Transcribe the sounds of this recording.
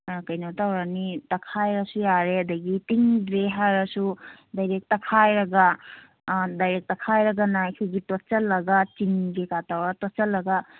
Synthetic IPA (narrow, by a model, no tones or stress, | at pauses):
kɐjnawtawɾanitɐkʰajɾɐsujaɾeɐd̪ɐɡitiŋdɾeɦaɾɐsu | dajɾek̚tɐkʰajɾɐɡa | dajɾek̚tɐkʰajɾɐɡanajkʰajɡitot͡ʃɐlːɐɡat͡ʃiŋɡekatawɾatot͡ʃɐlːɐɡa